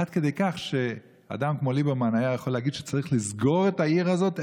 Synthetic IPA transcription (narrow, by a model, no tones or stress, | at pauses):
ad̪ked̪e̞jkaχʃe̞ | a̰d̪amkmo̞libemanajajaχoleaɡid̪ʃe̥t͡saʁiχlizɡo̞ʁetaiʁazo̞t̪